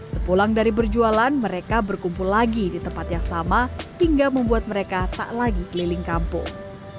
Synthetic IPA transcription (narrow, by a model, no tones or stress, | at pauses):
səpulaŋdaɾibərd͡ʒualanməɾekabərkumpʊllaɡidit̪əmpat̪jaŋsamahiŋɡaməmbuat̪̚məɾekat̪a̰ʔlaɡikəlilɪŋkampʊ̰ŋ